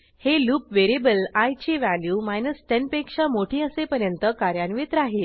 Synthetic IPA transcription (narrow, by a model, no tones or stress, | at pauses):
heluːpʋeɾebəlajt͡ɕeʋæljuːmajnəsːʈɛnpekʂamoʈʰĩːəsepəɾjənt̪əkaɾjaɳʋet̪ɾaɦe